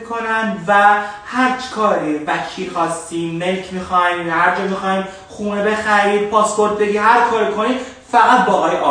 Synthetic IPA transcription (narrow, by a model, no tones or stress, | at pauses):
kʰonænd̪væhæɾt͡ʃkʰɒːɾibæcʰiːɾxɒːst̪iːmːelcʰmixɒjmhæɾd͡ʒɒːmixɒːim | χuːnebe̞xæɾiːd̪̚pʰɒːspo̞ɾt̪̚ʰbe̞ɡiːhæɾkʰɒːɾikʰoniː | fæɣæt̪̚bɒːʔɒːjʔɒ̰